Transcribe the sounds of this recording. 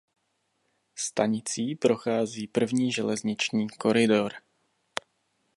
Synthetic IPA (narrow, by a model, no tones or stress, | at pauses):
st̪aɲɪt͡siːpɾo̞xaːziːpr̩vɲiːʒɛlɛzɲɪt͡ʃɲiːko̞ɾɪdoɾ